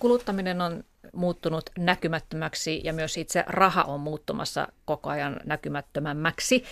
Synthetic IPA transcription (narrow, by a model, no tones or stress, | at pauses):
kulut̪ːɑminenon | muːt̪ːunut̪nækymæt̪ːømæksijɑmyøssit̪sḛrɑhɑ̰ʔommuːt̪ːumɑ̰sːɑ̰kokoɑjɑnnækymæt̪ːømæmːæksi